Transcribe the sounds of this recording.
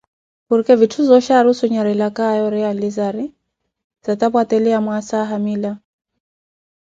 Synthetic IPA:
kuɾikɛvitʰuzɔʃaɾusuɲaɾɛlakaːjɔɾɛalizaɾi | z̥at̪apwatɛliamwasaɦamila

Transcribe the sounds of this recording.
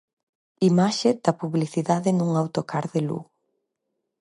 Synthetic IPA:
imaʃed̪̥ɐpuβliθiðaðɪnuŋawt̪okʰaɾðelṵ

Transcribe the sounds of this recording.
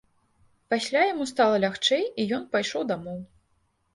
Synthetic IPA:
pasʲlʲajamust̪alˠɐlʲaxt͡ʂɛjijɔnpajʂɔwd̪amɔw

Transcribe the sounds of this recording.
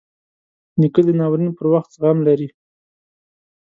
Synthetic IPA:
nikəd̪ənawɾinopəɾwaxt̪ɣamlaɾi

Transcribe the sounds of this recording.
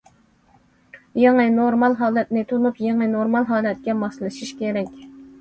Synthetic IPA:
jeŋɨnoɾmɑlˠɦɑːlˠɛt̪nɪt̪ʰunupjeŋɨnoɾmɑlˠɦɑːlˠɛt̪̚kʲɛmɑχsɨlˠɨʃiʃkʲeɾɛkʲ

